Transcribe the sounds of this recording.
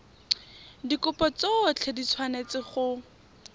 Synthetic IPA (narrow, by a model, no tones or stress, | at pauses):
dikʊpɔt͡sot͡ɬʰɛdit͡sʰwanet͡sɪχʊ